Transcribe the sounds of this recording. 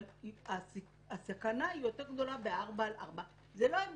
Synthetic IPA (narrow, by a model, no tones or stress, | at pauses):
ia | asakanaijo̞t̪eʁɡd̪o̞labeaʁbaːlʔa̰ʁba | zelo̞im